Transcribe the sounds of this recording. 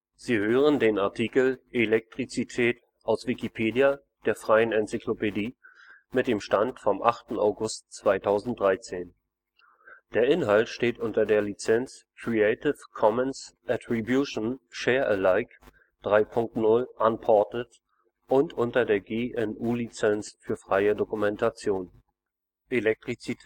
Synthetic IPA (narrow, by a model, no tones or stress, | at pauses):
z̥iːhøːʁ̞əndeːnaɐtʰiːkl̩ʔelɛk̚tʁ̥it͡sitʰɛːt | ʔaʊsv̥ikipʰeːdia | d̥eːɐfʁ̥aɪənɛnt͡siklopediː | mɪt̚d̥eːmʃtantfɔmʔaχtn̩a̰ʊɡʊstt͡sv̥aɪtʰaʊzn̩t̚d̥ʁaɪt͡seːn | d̥eːɐʔɪnɦaltʃteːtʔʊntɐdeːɐlit͡sɛnt͡s | kʁ̥ieɪtɪfkʰɔmənsʔatʁibjuʃnʃɛːɐʔəlaɪk | d̥ʁaɪpʰʊŋk̚tnʊlʔanpʰɔɐtət | ʔʊntʔʊntɐdeːɐɡeːʔɛnʔuːlit͡sɛnsfyːɐfʁ̥aɪədokumɛntʰat͡sjoːn | ʔelɛk̚tʁ̥it͡sitʰ